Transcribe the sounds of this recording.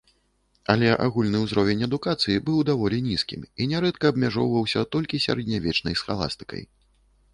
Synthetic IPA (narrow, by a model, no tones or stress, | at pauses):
ɐlʲɛʔa̰ɣulʲnɨwzɾɔvʲɛnʲɐd̪ukat̪sɨjibɨwd̪avɔlʲinʲiskʲiminʲɛɾɛt̪kɐːbmʲaʐɔwvɐwsʲɐt̪ɔlʲkʲisʲa̰ɾɛd̪̚ʲnʲavʲɛt͡ʂnɐjsxalˠa̰st̪ɨ̥kɐ̰j